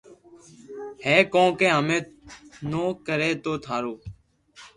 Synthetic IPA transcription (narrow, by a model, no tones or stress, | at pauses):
heːkõːkeːɦəmẽːnoːkəɾeːt̪oːt̪ʰaːɾoː